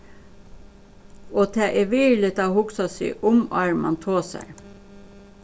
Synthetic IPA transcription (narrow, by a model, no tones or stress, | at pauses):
oːt̪ʰæːʔeːʋɪɹlɪt̪ɑːhʊksɑsḭːʔʊmɑɹmɑ̰nt̪ʰoːsæ̰ɹ